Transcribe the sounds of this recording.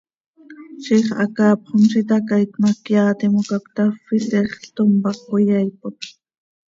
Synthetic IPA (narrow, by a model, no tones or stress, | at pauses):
ʃiχʔɑ̰kɑːpχomʃit̪ɑkajt̪mɑkjɑːt̪imukakt̪ɑfiɬɛχɬt̪ompɑχojɑjpot̪